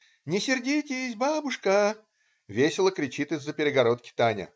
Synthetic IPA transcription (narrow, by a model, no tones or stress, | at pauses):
nʲɪsʲɪrdʲitʲɪjsʲbabʊʂkə | vʲesʲɪlˠəkɾʲɪt͡ɕit̪ɨzːəpʲɪɾʲɪɡɐɾo̞t̪kʲɪ̥t̪anʲə̰